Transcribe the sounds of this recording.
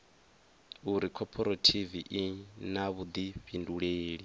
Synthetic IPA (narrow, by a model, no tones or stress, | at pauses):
uɾikʰɔpʰɔɾɔtʰiviʔinaβud̪iɸinduɺeːɺi